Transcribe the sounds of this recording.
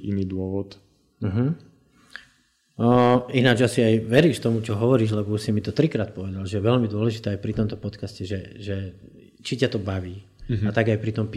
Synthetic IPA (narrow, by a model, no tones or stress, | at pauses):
iniːd̪ʊɔʋɔt̪ | m̩ɦm̩ | inad͡ʒasiajʋɛɾiːʃt̪ɔmut͡ʃɔɦɔʋɔɾiːʒlɛbɔsimit̪ɔt̪ɾikɾaːt̪̚pɔʋɛd̪alʒɛjɛʋɛlmid̪ʊɔlɛʒit̪ɛːajpɾit̪ɔmt̪ɔpɔt̪kascɛʒɛʒɛ | t͡ʃicat̪ɔbaʋiː | at̪aɡajpɾit̪ɔmp